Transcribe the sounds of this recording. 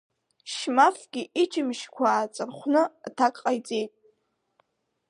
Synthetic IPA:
ʃmafɡʲiʔid͡ʒʰɪmʃkʷʰaːt͡sʼɨrχʷnɨtʰakʼqʼajt͡sʼe̞jtʼ

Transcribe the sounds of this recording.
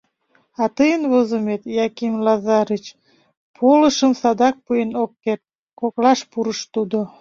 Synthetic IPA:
ɑt̪əjənvozəmet̪jɑkimlɑzɑɾit͡ɕ | pʰoləʃəmsɑd̪ɑk̚pujenokːet̪̚ | koklɑʃpuɾəʃt̪ud̪o

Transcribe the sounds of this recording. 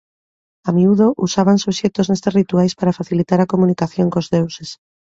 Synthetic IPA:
amiuð̞oʔusaβansuβʃet̪oznest̪erit̪uajspaɾafaθilit̪aɾakomunikaθjoŋkozðewses

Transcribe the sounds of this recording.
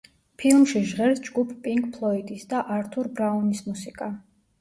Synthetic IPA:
pʰilˠmʃiʒʁɛɾtsd͡ʒɡupʰpʼiŋkʰʼpʰlˠɔit̪ʼisd̪aʔaɾt̪ʰuɾbɾaunismusikʼa

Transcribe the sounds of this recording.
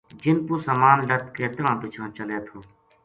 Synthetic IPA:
d͡ʒɪnpuːsəmaːnɖət̪̚keːt̪əɾãːpɪt͡ʃʰãːt͡ʃəleːt̪ʰoː

